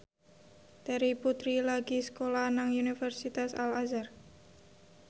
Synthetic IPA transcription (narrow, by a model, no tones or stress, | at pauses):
t̪aɾiput̪ɾilaɡiskolanaŋunifɛrsit̪asa̰lazar